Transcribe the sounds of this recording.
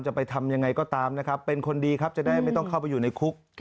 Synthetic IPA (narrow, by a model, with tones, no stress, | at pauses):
nt͡ɕa˨˩pa˧jt̪ʰa˧mja˧ŋːa˧jkɔː˥˩t̪aː˧mna˦˥kʰɾa˦˥pːe˧nkʰo˧ndiː˧kʰa˦˥p̚t͡ɕa˨˩ʔda˥˩jma˥˩jt̪ɔ˥˩ŋkʰa˥˩wpa˧juː˨˩na˧jkʰu˦˥k̚